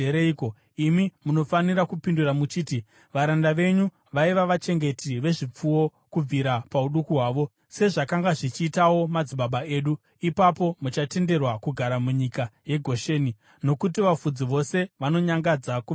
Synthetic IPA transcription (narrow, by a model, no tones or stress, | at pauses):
eɾeiko | imimuno̞faniɾakupinduramut͡ʃiːti | ʋaɾandaʋe̞ɲu | ʋaiʋaʋat͡ʃe̞ŋɡe̞tiʋe̞ʐip͡fuwo̞ | kub͡viɾapauɗukuɦwaːʋo̞ | se̞ʐakaŋɡaʐit͡ʃiːtawo̞mad͡ziɓaɓae̞ːɗu | ipapo̞mut͡ʃate̞nde̞rwakuɡʱaɾamuɲikaje̞ɡʱo̞ʃe̞ːni | no̞kutiʋafud͡ziʋo̞se̞ʋano̞ɲaŋɡad͡zaku